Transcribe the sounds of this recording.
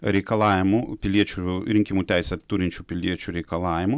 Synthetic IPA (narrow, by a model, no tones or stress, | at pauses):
ɾʲɛɪkɐlˠɑːʋʲɪmupʲɪlʲiɛt͡ʃʲuɾʲɪŋʲkʲimuːt̪ʲæˑɪsʲɛt̪uɾʲɪnʲt͡ʃʲuːpʲɪlʲiɛt͡ʃʲuːɾʲɛɪkɐlˠɑːʋʲɪmʊ